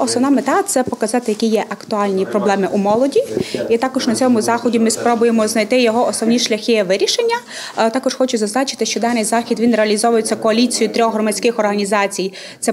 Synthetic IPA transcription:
ɔsnɔwnɑmet̪ɑt̪sɛpɔkɐzɑt̪ɪjɐkʲijɛʔɐkt̪ʊɑlʲnʲipɾɔblˠɛmɪʔumɔlˠɔdʲiit̪ɑkɔʒnɐt͡sʲɔmʊzɑxɔdʲimɪspɾɔbʊjemɔznɐjt̪ɪjɔɦɔɔsnɔwnʲiʃlʲɐxʲɪjɛʋɪɾʲiʃenʲːɐ | t̪ɑkɔʒxɔt͡ʃʊzɐznɑt͡ʃɪ̥t̪ɪʃt͡ʃɔd̪ɑnɪjzɑxʲid̪ʋinreɐlʲizɔʋʊjet͡sʲːɐkɔɐlʲit͡sʲijʊt̪ɾʲɔxɦrɔmɐt͡sʲkɪxɔrɦɐnʲizɑt͡sʲij | t̪sɛ

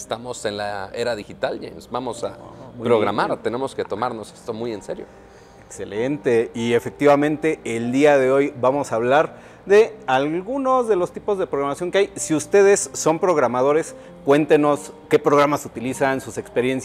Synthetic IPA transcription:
est̪amo̞senlaeɾaðixit̪ald͡ʒḛmsbamo̞sa̰pɾoɣɾa̰maɾt̪e̞ne̞mo̞ske̞t̪o̞maɾno̞se̥st̪o̞mujenseɾjo̰ | ekse̞lent̪eie̞fe̞k̚t̪iβamẽ̞nt̪e̞eld̪iaðe̞o̞jbamo̞saːβ̞laɾ | ðe̞alɣuno̞zðe̞lo̞st̪ipo̞zðe̞pɾoɣɾamasjo̞ŋkeajsiust̪e̞ð̞e̞sːo̞mpɾo̞ɣɾamað̞o̞ɾe̞s | kwe̞nt̪eno̞ske̞pɾo̞ɣ̞ɾamasut̪ilisansuse̞kspe̞ɾje̞nsja

